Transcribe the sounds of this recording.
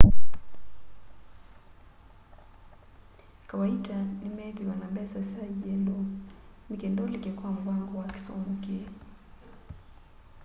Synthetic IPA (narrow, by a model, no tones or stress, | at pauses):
kawaitanimɛðiwanambɛasasaiɛlɔmikɛndɔlikɛkwaŋɡwaŋɡɔwaki̥sɔmuke